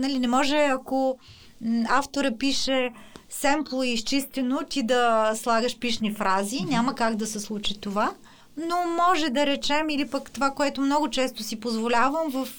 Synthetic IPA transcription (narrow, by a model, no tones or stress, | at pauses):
nɐlinɛmɔʒɛɐko | aft̪oɾəpiʃɛsɛmplˠoist͡ʃist̪ɛnot̪id̪ɐslˠaɡəʃpiʃnifɾazinʲaməkaɡd̪ɐsɛslˠut͡ʃit̪ova | nomɔʒɛd̪ɐɾɛt͡ʃɛmilipəkt̪ovakoɛt̪omnɔɡʊt͡ʃɛst̪osipozvolʲavəmvəf